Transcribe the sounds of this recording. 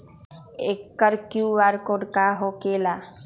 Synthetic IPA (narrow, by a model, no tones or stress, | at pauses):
ekːəɾkjuʋaɾkoɽkaɦokeːla